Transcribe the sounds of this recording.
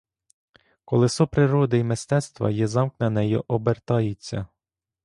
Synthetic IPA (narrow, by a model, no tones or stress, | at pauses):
kɔlˠɪsɔpɾɪɾɔd̪ɪimɪst̪ɛt̪st̪ʋɐ̰jɛzɑmknɐnɛjʊʔɔbert̪ɑjɪt͡sʲːɐ̰